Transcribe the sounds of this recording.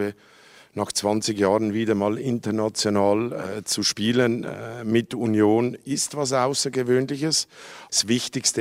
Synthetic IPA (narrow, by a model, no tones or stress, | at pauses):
ə | naːxt͡sv̥ant͡sɪɡjaːʁənviːdɐmaːlɪntənat͡sjonaːlt͡suʃpiːlənmɪtunjoːnɪstvas̬aʊsəɡəvøːnlɪçəssvɪçtɪçstə